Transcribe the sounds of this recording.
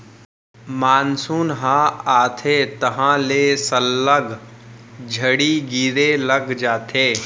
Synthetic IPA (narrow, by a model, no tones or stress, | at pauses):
maːnsuːnɦãːaːt̪ʰeːt̪ɐɦãleːsəlːəɡ | d͡ʒʱəɽiɡiːɾeləɡd͡ʒaːt̪ʰeː